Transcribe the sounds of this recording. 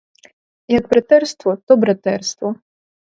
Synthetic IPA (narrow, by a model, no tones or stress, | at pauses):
jɐɡ̚bɾɐt̪ɛrst̪ʋɔt̪ɔbɾɐt̪ɛrst̪ʋɔ